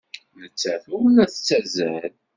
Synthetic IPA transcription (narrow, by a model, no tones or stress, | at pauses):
nət͡sːæθuɾnæθt͡sːæzæl